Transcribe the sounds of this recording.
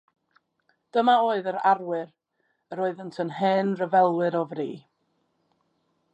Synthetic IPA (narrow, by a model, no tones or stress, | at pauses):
d̥əmaoːɨðəɾarwɪr | əɾoːɨðəntʰənhɛːnrəvɛlˠwɨɾɔvriː